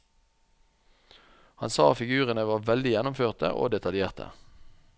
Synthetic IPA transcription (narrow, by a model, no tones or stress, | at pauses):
hɑ̰nsɑːfɪɡʉːʁənəʋɑːʁʋɛld̪ɪjɛnʊmføːʁt̪ə̰ʔo̰ːd̪ɛt̪ɑljeːʁt̪ʰə̰